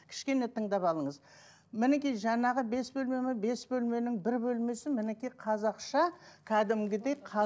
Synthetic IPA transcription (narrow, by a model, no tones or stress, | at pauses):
kʲʰɪ̥ʃkʲe̞ne̞t̪ʰəɴd̪ɑpɑlˠəɴəz | mɪnekʲijʒɑɴɑʁəbe̞sbɵlme̞mɪbe̞sbɵlme̞nɪŋbɪɾbɵlme̞sɪmɪnekʲijqʰɑzɑqʃɑkʲʰæd̪ɪmɡʲɪd̪e̞jqʰɑ